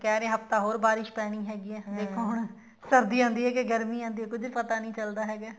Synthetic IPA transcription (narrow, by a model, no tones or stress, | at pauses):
kɛːɾẽːɦəft̪aːɦoːɾbaːɾɪʃpɛːɽ̃ĩːɦɛːɡiːɛːd̪eːkʰãːɦʊɳ | səɾd̪iːãːnd̪iːɦɛːkeɡəɾmiːãːnd̪iːɛːkʊd͡ʒnpət̪aːnĩːt͡ʃəld̪aːɦɛːɡaː